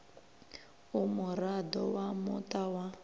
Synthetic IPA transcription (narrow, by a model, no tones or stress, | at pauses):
umʊɾadɔwamʊ̰tʼawa